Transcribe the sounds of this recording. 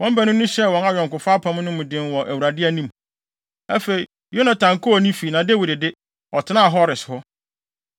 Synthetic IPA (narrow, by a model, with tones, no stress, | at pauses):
wɔ̃˦m˦bæ˨nʊ̃˦nʊ̃˦ɕɛ˦wɔ̃˨na˨jɥɔ̃˨ŋkʊ˨fa˦pʰã˨˦m˦nʊ̃˦mʊ̃˨dɪ̃˦nwɔ˨ʔæ˨wu˨ɾa˨dɪ˦æ˦˨nĩ˦m | æ˦fe˨ɾi˨ | jo˦nã˨tʰã˨ŋkʰʊ˦a˨nĩ˦fi˨nã˨de˦wi˨dɪ˨dɪ˦ | ɔ˨tʰɪ˨˦nã˦˨ɦɔ˦ɾɪ˨shʊ˦